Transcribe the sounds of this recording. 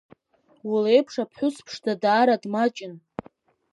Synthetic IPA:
wulejpʰʂapʰħʷʊspʰʂdadaːɾadmat͡ʃʼɪn

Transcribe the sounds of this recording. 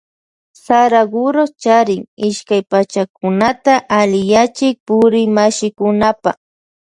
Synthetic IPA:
saɾaɡʊɾot͡ʃaɾɪŋɪʃkajpat͡ʃakʊnat̪aʔalɪjat͡ʃɪk̚pʊɾɪmaʃɪkʊnapa̰χ

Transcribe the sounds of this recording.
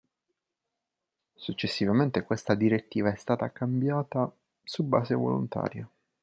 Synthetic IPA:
sut͡ʃːesːivament̪ekwest̪ad̪iɾet̪ːiːvaɛst̪aːt̪akambjaːt̪a | subːa̰ːzevo̰lṵnt̪a̰ːɾja

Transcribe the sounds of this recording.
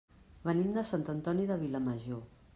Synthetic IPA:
βənimd̪əsant̪ənt̪ɔniðəβ̞iləməʒo

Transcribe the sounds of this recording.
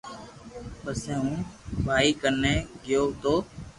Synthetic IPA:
pəsɛ̃ːɦũːbʱaːiːkənẽːɡɪjoːt̪oː

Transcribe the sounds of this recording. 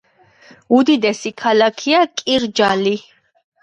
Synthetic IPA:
ud̪id̪ɛsikʰalakʰiakʼiɾd͡ʒali

